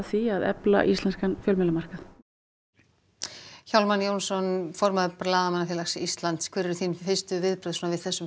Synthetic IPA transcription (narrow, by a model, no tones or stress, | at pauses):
θiaðɛ̰pla̰ʔist̪lɛnskanfjœːlmɛlamar̥kaθ | çawlmanjownsɔnfɔɾmaðplaːðamanaθjɪlasist̪lant̪skʰvɛːɾɪɾʏθinfɪst̪ʏvɪðpɾœðsuːnavɪðθɛsːʏm